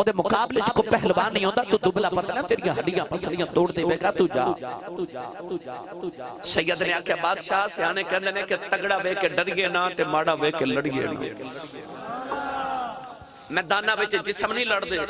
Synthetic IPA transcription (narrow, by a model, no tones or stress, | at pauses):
oːd̪eːmʊkaːbet͡ʃkoːpɛɦlbaːnĩːɦɔ̃ːnd̪aːt̪uːd̪ʊbɪlaːpət̪ːaːt̪eːɾɪjãːɦəɖɪjãːpəsəɽijãːt̪oːɽd̪eːʋeːɡaːt̪uːd͡ʒa̰ː | səijəd̪neːaːkʰjaːbaːd̪ʃaːsãːneːkɛ̃ːndd̪eːnẽːkɪt̪əɡɽaːʋeːkeɖəɾɪjeːnãːt̪eːmaːɽaːʋeːkeləɽijḛːna̰ː | mɛ̃ːd̪aːnãːʋɪt͡ʃd͡ʒɪsəmnĩːləɽd̪eː